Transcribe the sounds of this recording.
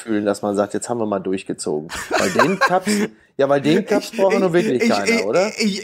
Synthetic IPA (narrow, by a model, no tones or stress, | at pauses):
fyːlənd̥asmanzaːk̚tjɛt͡sthaːbm̩viːɐmaːldʊɐçɡ̥ət͡so̰ːɡŋ̩vaɪldeːnnʰaps | jaːvaɪldeːnkʰasb̥ʁaʊxɛɐnuːɐvɪɐklɪçkaɪʔoːɾɐ